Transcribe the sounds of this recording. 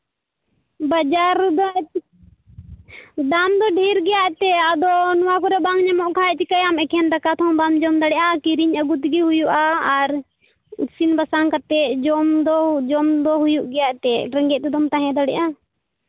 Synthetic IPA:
bad͡ʒaɾd̪aʔ | d̪amd̪ɔɖʱiɾɡɛjaʔt̪ɛad̪ɔnɔwakɔɾɛbaŋɲamɔʔkʰaɛt͡ʃikajamɛkʰɛnd̪akat̪ʰɔ̃bamd͡ʒɔmd̪aɽɛʔakiɾiɲəɡut̪ɡiɦujuʔaːɾ | ut̪sinbasaŋkat̪ɛd͡ʒɔmd̪ɔd͡ʒɔmd̪ɔɦujuʔɡɛjaʔt̪ɛɾɛŋɡɛt̪ɛd̪ɔmt̪aɦɛ̃d̪aɽɛ̰ʔa

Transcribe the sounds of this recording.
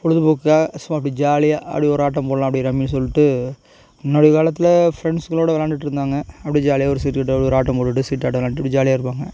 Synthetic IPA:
pɔɽɯðɯpoːkːaːsmaːɐɪpːɐɽid͡ʒaːlɪjaːʔɐ̰pɽiɔɾɯaːʈ̬ːɐ̃mpoːɽɐlãɐpɐɽiɾɐmːins̬ɔlːɪʈːɯ | ɪnːoːɽɐjɐkaːlɐt̪ːɪlɐfɾɛɳɖskɐɭoːɽɐʋɛlaːɳɖɪʈːɪɾɯnd̪aːŋɡɐɐpːɐɽid͡ʒaːlɪjaːɔɾɯsiːʈkɐʈ̬ːɔɽɔɾaːʈːɐmpoːʈːɯʈːɯsiːʈːaːʈ̬ːɯʋɛlaːɳɖʈːɐpɐɽid͡ʒaːlɪjaːɪɾɯpːaːŋɡɐ

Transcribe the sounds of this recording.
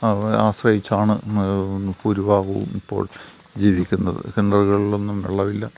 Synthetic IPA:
aːɕrɐjit͡ɕːaːɳɨ | puɾuʋaːɣuṵmipːo̞̰ːɭ | d͡ʑiːʋikʲːunːɐðɨ̰kenɖɐrɣɐɭilo̞nːumʋḛɭːɐʋilːɐ

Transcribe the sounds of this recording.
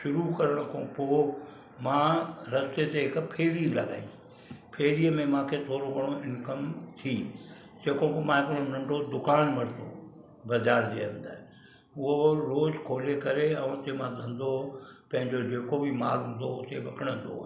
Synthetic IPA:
ʃʊɾukɐɾəɽ̃kʰõːpoː | mãːɾɐst̪et̪eɦɪkpʰeːɾilɐ̰ɡa̰ːi | pʰeːɾiəmẽmãːkʰet̪ʰoːɾoɡʱɐɽ̃oɪnkəmt̪ʰiː | d͡ʑeːkõpomãːɪkəɽ̃onɐ̃ɳɖʱod̪ʊkaːnmɐɾt̪o | bɐzaːɾd͡ʑeːɐ̃nd̪əɾ | ʊɦoɾoːzkʰoːlekɐɾeɛ̃ːʊt̪emãd̪ʱɐ̃nd̪opɐ̃ɦɪ̃ɲd͡ʑod͡ʑeːkobʱimaːɾɦʊ̃n̆d̪oʊt̪eʋɐkʰəɽ̃ə̃nd̪o̰

